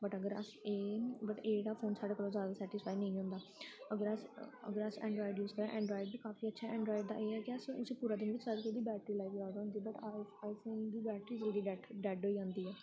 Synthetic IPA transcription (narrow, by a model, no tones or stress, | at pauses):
bəʈəɡəɾəseːbəʈeːɽaːpʰoːnsaːɖaːkəɾõːzjaːd̪aːsɛːʈɪspʰaːinəĩɦõːnd̪aːəɡəɾəsə̰ɡəɾəsɛ̰̃ːɳɖɾɔːɪɖjuːzkəɾãːʔɛ̃ːɳɖɾɔːɪɖbiːkaːfiːətːʃʰaːɛ̃ːɳɖɾɔːɪɖd̪a̰ːʔeːɦɛːkɪəsʊsĩːpuːɾaːd̪ɪnʋɪt͡ʃsaːd̪ked̪iːbɛːʈɾiːlaːikiaːd̪aɦʊ̃nd̪iːbəʈːaːɪfond̪iːbɛːʈɾiːd͡ʒəld̪iːɖɛʈɖɛːɖɦoːiːd͡ʒãːnd̪iːɛː